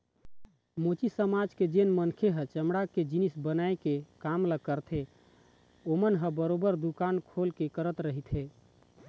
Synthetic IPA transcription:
mot͡ʃisəmad͡ʒked͡ʒenmənkʰeɦət͡ʃəmɽaked͡ʒinisbənajkekamləkəɾt̪ʰe | omənɦəbəɾobəɾd̪ukankʰolkekəɾət̪ɾəɦit̪ɦe

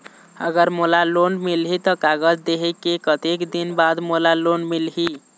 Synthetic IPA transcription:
əɡəɾmolalonmilɦit̪ɔkaɡəd͡ʒd̪eɦekekət̪ekd̪inbad̪molalonmilɦi

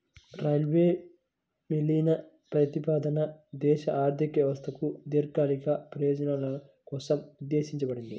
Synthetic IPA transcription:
ɾajlʋeː | milːinɐ | pɾɐt̪ipaːd̪ɐnɐd̪ɛːʃɐʔaːɾt̪ʰikʋjɐʋɐst̪ʰɐkud̪iɾkaːlikɐpɾɐjoːd͡ʒɐnaːlɐ | kɔːsɐmud̪ːeːʃiɲt͡ʃɐbɐɽind̪i

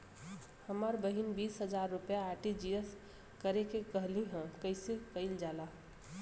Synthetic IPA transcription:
həməɾbəɦinbiːsɦəd͡ʒaɾːʊpjaːʈid͡ʒiəs | kəɾekekəɦliɦɛ̃kəɪsekəɪld͡ʒala

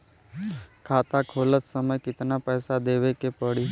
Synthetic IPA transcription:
kʰat̪akʰolət̪səməjkɪt̪napəsad̪eʋekepəɽi

